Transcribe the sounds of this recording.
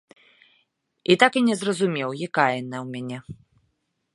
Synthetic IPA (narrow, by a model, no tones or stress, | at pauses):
it̪akinʲɛzrɐzumʲɛwjakajɛnɐwmʲanʲɛ